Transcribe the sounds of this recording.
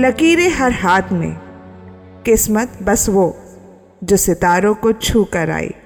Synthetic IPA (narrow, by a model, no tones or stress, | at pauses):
lɐkiːɾeɦɐɾɦaːt̪ʰmḛ̃ | kɪsmət̪bɐsʋo | d͡ʒoːsɪt̪aːɾõkot͡ʃʰuːkəɾa̰ːḭː